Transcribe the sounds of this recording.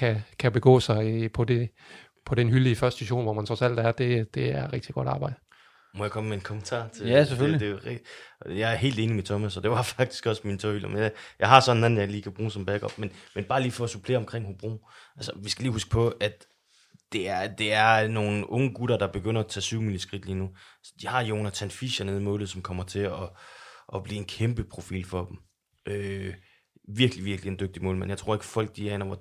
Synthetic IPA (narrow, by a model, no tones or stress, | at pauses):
kʰækʰæb̥e̝ɡ̥ɔ̰ːsɑ̈ɪpʰɒ̽de̝ | pʰɒ̽denɦyliəfɶɐsd̥siɕo̝̰ːnʋɒmænt͡sʰʁɒ̽sæl̰d̥æɐd̥e̝d̥e̝æɐʁɛɡ̥d̥iɡ̥ɒ̽ɾ̥ɑ̈ːb̥ɑ̈ɪ̰d̥ə | mɒjäkʰɒ̽məːeenkʰɔ̽mənt͡sʰɑ̰̈ːt͡sʰe̝æseføllid̥e̝ | jɑ̈ɪæɐɦe̝̰ːld̥e̝ːnimet͡sʰɒ̽mæsɒd̥e̝ʋɑ̈fɑ̈ɡ̥d̥i̥sɡ̥ɒ̽smint͡sʰɒhylɐmenjjɑ̈ɪɦɑ̈sɒ̽nenæn̩jɑ̈ɪliːkʰæb̥ʁuːsɒ̽mb̥æɡ̥ɒ̽b̥menmenb̥ɑ̈ːliːfɒ̽supʰle̝ːɐɒ̽mkʰʁeŋ̰hob̥ʁṵːʔælsɐ̥ʋisɡ̥æliːhusɡ̥ə̥pʰɒ̽ʔæd̥ | d̥e̝æɐd̥e̝æɐno̝ːn̩ɔ̽ŋəɡ̥uɾ̥ɐd̥ɑ̈b̥e̝ɡ̥øn̰ɐɒt͡sʰɛ̰ːsyʊmiːlisɡ̥ʁid̥liːnuæsə̥d̥ihɑ̈joonɐt͡sʰænfiɕɐneðˠmɔːlð̩ˠsɒ̽mkʰɒ̽m̰ɐt͡sʰe̝ɒ̽ʔɒ̽b̥lḭːe̝nkʰemb̥əpʰʁo̝fḭːlfɒ̽b̥m̩ | ʔø | ʋiɐɡ̥liʋiɐɡ̥lie̝nd̥øɡ̥̚d̥imɔ̰̽ːlmænjɑt͡sʰʁo̝ɐeɡ̥ə̥fɒ̽l̰ɡ̥̚d̥iæenɐʋɒ